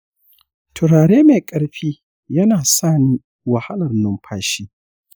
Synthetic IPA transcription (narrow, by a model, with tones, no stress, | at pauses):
tʰʊ˨ɽaː˨ɽeː˦meː˨kʼɐ˦ɽɸiː˦ | jɐ˦naː˨saː˦˨niː˦ | wɐ˨ha˦lɐ˨rnʊ˦mɸʰaː˦ʃiː˦